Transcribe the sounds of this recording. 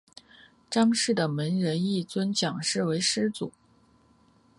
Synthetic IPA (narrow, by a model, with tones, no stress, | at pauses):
ʈ͡ʂɑ˥ŋʂɻ̩˥˩d̪ə˩mə˧˥nɻə˧˥ni˥˩t͡swə˥nt͡ɕjɑ˨˩ŋʂɻ̩˥˩we˧˥ɪʂɻ̩˥t͡sṵ˨˩˦